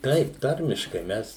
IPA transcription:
ˈtɐɪp ˈtɐrʲmʲɪʃkɐɪ ˈmʲɛs

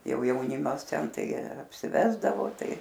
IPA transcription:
jɛʊ jɛʊˈnʲɪmɐs ˈtʲɛn ˈtɐɪ ɐpʲsʲɪˈʋʲæːzdɐʋoː ˈtɐɪ

